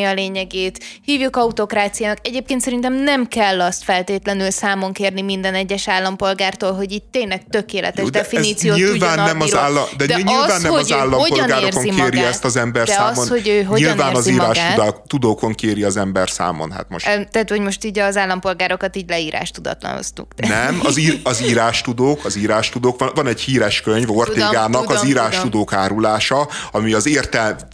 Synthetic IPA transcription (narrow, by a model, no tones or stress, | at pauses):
iɒleːɲɛɡeːt̪hiːvjukɒut̪o̞kɾaːt̪sijaːnɒkɛɟeːpkensɛɾint̪ɛmnɛmkɛlːɒst̪fɛlt̪eːt̪lɛnylsaːmo̞ŋkeːrnimind̪ɛnɛɟːɛʃaːlːɒmpo̞lɡaːrt̪oːlɦo̞ɟit̪ːeːnlɛɡ̚t̪ø̞keːlɛ̰t̪ɛʃd̪ɛfiiːt̪sijoːɲiluvaɔːnːɛmɒaːlːɒd̪ɛd̪ɛɲilvaːnːɛhoaːlːɒopoɒlnɡaːɾeoːrzoimeːɾiɛst̪ɒzɛmbɛrdaːɒsonho̞ɟøːɦoilnvaːnːzɒziiːɾaːʃɡ̪ːt̪ud̪oːkoŋkeːɾiɒzɛmbɛrsa̰ːmo̰nɦa̰t̪moʃt̪ɛat̪hoɟmoʃt̪iːɟɒzaːlːɒmpo̞lɡaːɾokɒt̪iːɟlɛiːɾʔa̰ːʃt̪ud̪ɒ̰t̪lɒ̰no̰st̪ṵk̪nɛmɒziːɾɒziːɾaːʃt̪ud̪oːkɒziːɾaːʃt̪ud̪oːkʋɒvɒnɛɟhiːɾɛʃkøɲvort̪eːɡaːnɒkɒziːɾaːʃt̪ud̪oːkaːɾulaːʃɒɒmiɒzeːrt̪ɛl